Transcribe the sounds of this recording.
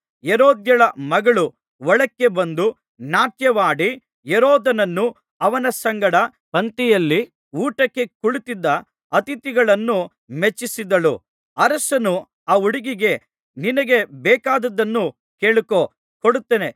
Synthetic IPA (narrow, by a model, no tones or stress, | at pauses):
jeɾoːd̪jɐɭɐmɐɡɐɭu | ʋɐɭɐkːe̞bɐnd̪u | naːtjɐʋaːɽi | jeɾoːd̪ɐnɐnːu | ɐʋɐnɐsɐŋɡɐɽɐ | pɐnt̪ijɐlːi | uːʈɐkːe̞kuɭit̪id̪ːɐ | ɐt̪it̪iɡɐɭɐnːu | met͡ʃːisid̪ɐɭṵ | ɐɾɐsɐnu | aːuɽiɡiɡe̞ | ninɐɡe̞bɛːkaːd̪ɐd̪ɐnːu | keːɭuko | koɽut̪ːene̞